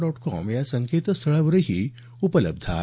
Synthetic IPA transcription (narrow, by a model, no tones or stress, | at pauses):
ɖɔːʈkɔ̰ːmjasɐ̃ŋkeːt̪st̪ʰɐɭəʋɾəɦi | upələ̰b̚d̪ʱa̰ː